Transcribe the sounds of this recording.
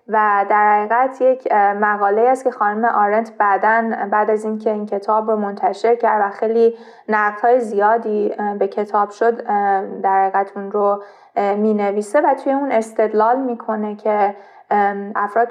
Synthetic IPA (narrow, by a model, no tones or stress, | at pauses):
væd̪æɾhæɣiːɣæt̪ʰje̞cʰmæɣɒːle̞iːhæst̪̚cʰe̞xɒːnume̞ʔɒːɾent̪ʰbæd̪ænbæːd̪æziːncʰe̞iːncʰe̞t̪ʰɒːbɾomo̞nt̪ʰæʃe̞ɾcʰæɾd̪væxejliː | næɣd̪̥hɒːjezijɒːd̪iːbe̞cʰe̞t̪ʰɒːb̥ʃo̞d̪d̪æɾhæɣiːɣæt̪ʰunɾo | miːne̞viːse̞væt̪ʰuːje̞uːne̞st̪e̞d̪lɒːlmiːkʰo̞ne̞cʰe̞ | ʔæfɾɒːd̪